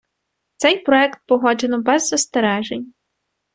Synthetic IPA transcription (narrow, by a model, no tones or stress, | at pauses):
t̪sɛjpɾɔɛkt̪̚pɔɦɔd͡ʒenɔbɛzːɔst̪eɾɛʒenʲ